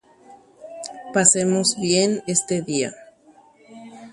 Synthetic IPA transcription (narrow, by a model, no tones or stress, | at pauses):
pasemozβje̞ne̞st̪eðia̰